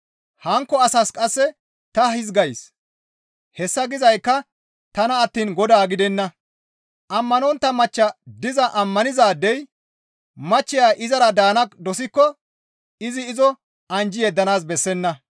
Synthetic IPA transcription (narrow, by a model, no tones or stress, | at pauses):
hɐŋkːɔɐsɐskʼɐsːɛ | t̪ɐhɪzɡɐjs | hɛsːɐɡɪzɐjkːɐ | t̪ɐnɐːt̪ːiːnɡɔd̪aːɡɪd̪ɛnːɐ | ʔɐmːɐnɔnt̪ːɐmɐt͡ʃːɐd̪ɪzɐʔɐmːɐnɪzaːd̪ːɛj | mɐt͡ʃːɪjaːʔɪzɐɾɐd̪aːnɐkd̪ɔsɪkːɔ | ɪzɪːzɔ | ɐnd͡ʒɪjɛd̪ːɐnaːsbɛsːɛnːɐ